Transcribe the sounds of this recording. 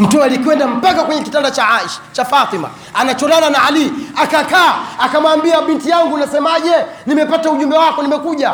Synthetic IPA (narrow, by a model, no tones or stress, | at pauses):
m̩tualikwɛndam̩pakakwɛɲɛkitandat͡ʃaaʃt͡ʃafat̪ima̰ | anat͡ʃɔlananaaliakakaːakamwaːmbiaɓintijaŋɡunasɛmaʄɛnimɛpatauʄumbɛwakɔnimɛkuʄa